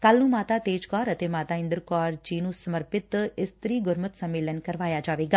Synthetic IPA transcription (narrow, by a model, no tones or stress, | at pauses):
kəlnũːmaːt̪aːt̪eːd͡ʒkɔːɾət̪eːmaːt̪aːɪ̃nd̪əɾkɔːɾd͡ʒiːnũːsəməɾpɪt̪ɪst̪ɾiːɡʊɾmət̪səmːeːlənkəɾʋaːjaːd͡ʒaːʋeːɡaː